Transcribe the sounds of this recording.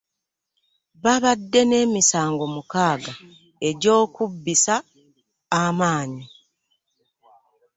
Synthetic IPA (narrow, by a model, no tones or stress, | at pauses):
βaβadːe̞ne̞ːmisaːŋɡo̞mukaːɡa | e̞ɟo̞ːkubːisaː | maːɲi